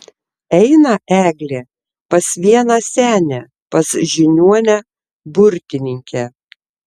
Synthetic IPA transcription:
ɛɪnɐʔæːɡlʲeː | pɐsʋʲiɛnɐsʲæːnʲɛ | pɐsʒʲɪnʲuɔnʲɛ | bʊɾʲkʲɪnʲɪŋʲkʲɛ

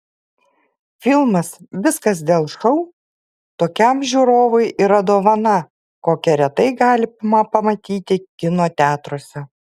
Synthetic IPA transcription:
fʲɪlˠmɐsʋʲɪskɐsd̪ʲeːlˠʃɐʊ | t̪oːkʲɛmʒʲuːɾoːʋʊɪʔiɾɐd̪oːʋɐnɐ | koːkʲɛɾʲɛt̪ɐɪɡɑːlʲɪmɐpɐmɐt̪ʲiːt̪ʲɪkʲɪnoːt̪ʲæːt̪ɾoːsʲɛ

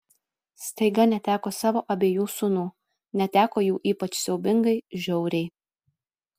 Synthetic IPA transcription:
st̪ɐɪɡɐnʲɛt̪ʲæːkoːsɑːʋoːʔɐbʲeːjuːsʊnuː | nʲɛt̪ʲæːkoːjuːʔiːpɐt͡ʃsʲɛʊbʲɪŋɡɐɪʒʲɛʊɾʲɛɪ

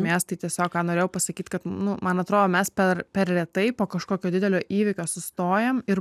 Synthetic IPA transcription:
mʲeɛst̪ɐɪt̪ʲiɛsʲoːkkɑːnoːɾʲeːjʊpɐsɐkʲiːt̪kɐt̪nʊmɐnɐt̪ɾoːd̪oːmʲɛspʲɛrpʲɛrrʲɛt̪ɐɪpoːkɐʃkoːkʲoːd̪ʲɪd̪ʲɛlʲoːʔiːʋʲɪkʲoːsʊst̪oːjɛmɪ

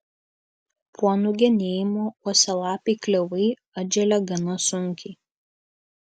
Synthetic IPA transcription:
pʰuɔnʊɡʲɛnʲeːjɪmoːuɔsʲɛlˠɑːpʲeɪklʲɛʋɐɪ | ɐd͡ʒʲɛlʲɛɡɐnɐsʊŋʲkʲɪɪ

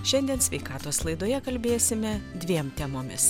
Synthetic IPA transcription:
ʃʲɛnʲd̪ʲiɛnsʲʋʲɛɪkɑːt̪oːslˠɐɪd̪oːjɛkɐlʲbʲeːsʲɪmʲɛd̪ʲʋʲiɛmt̪ʲɛmoːmʲɪs

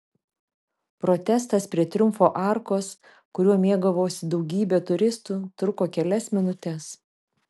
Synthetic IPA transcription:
pɾɔːt̪ʲɛst̪ɐspʲɾʲiɛt̪ʲɾʲʊmˑfoːʔɑˑɾkoːs | kʊɾʲuɔmʲiɛɡɐʋoːsʲɪd̪ɒʊɡʲiːbʲeːt̪ʊɾʲɪst̪uːt̪ɾʊkoːkʲɛlʲɛsmʲɪnʊt̪ʲɛs

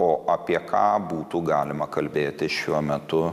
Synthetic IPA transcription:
oːʔɐpʲiɛkʰɑ̰ːbuːt̪uːɡɑːlʲɪmɐkɐlʲbʲeːt̪ʲɪʃʲuɔmʲɛt̪ʊ

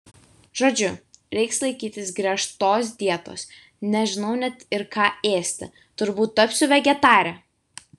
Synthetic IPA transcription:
ʒ̥oːd͡ʒʲʊɾʲɛɪkslˠɐɪkʲiːt̪ʲɪsɡɾʲiɛʃt̪oːs̬d̪ʲiɛt̪o̰ːs | nʲɛʒʲɪnɒʊnʲɛt̪ɪɾkɑːeːsʲt̪ʲɪ | t̪ʊɾbuːt̪ːɐpʲsʲʊʋʲɛɡʲɛt̪ɑːɾʲɛ

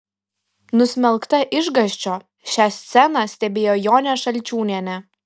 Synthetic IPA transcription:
nʊsʲmʲɛlˠkt̪ɐʔɪʒɡɐʃʲt͡ʃʲoː | ʃʲæːsʲt̪sʲɛnɑsʲt̪ʲɛbʲeːjoːjoːnʲɛʃɐlʲˑt͡ʃʲuːnʲiɛnʲɛ

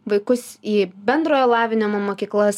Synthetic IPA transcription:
ʋɐɪkʊsiːbʲɛnd̪ɾoːjoːlˠɑːʋʲɪnʲomomoːkʲiːklˠɐs

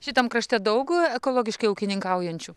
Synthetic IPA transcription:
ʃʲɪt̪ɐmkɾɐʃʲt̪ʲɛd̪ɐʊkɛkoːlˠoːɡʲɪʃkɐɪɐʊkʲɪnʲɪŋkɐʊjɛnʲt͡ʃʲuː

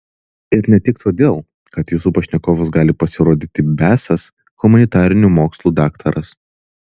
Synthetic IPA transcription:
ɪɾnʲɛt̪ʲɪkt̪ʰoːd̪ʲeːlˠ | kɐt̪jusuːpɐʃʲnʲɛkoːʋɐs̬ɡɑːlʲɪpɐsʲɪɾoːd̪ʲiːt̪ʲɪbʲæːsɐs | kʊmʊnʲɪt̪ɑːɾʲɪnʲuːmoːkslˠuːd̪ɑːkt̪ʰɐɾɐs

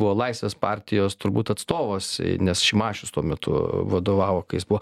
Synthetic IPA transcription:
bʊʋoːlˠɐɪsʲʋʲeːspɑːɾʲt̪ʲɪjoːst̪ʊɾbuːt̪ɐt̪st̪oːʋoːsnʲɛsʃʲɪmɑːʃʲʊst̪uɔmʲɛt̪ʊ̰ʋɐd̪oːʋɑːʋoːkɐɪjɪsbʊʋɔ

